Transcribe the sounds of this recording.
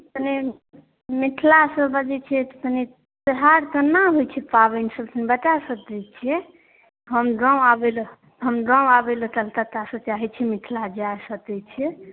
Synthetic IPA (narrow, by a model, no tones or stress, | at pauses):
t̪əne | miʈʰlasəbəd͡ʒɛt͡ʃʰɛt̪ne | t̪əɦaɾk̪ənaɦojt͡ʃʰɛpabensəbt̪ʰənbəʈasəd̪ɛt͡ʃʰɛ | ɦəmɖɾãwabel | ɦəmɖɾãabelt̪əlt̪at̪asət͡ʃaɦɛt͡ʃʰɛmiʈʰlad͡ʒasət̪ɛt͡ʃʰɛ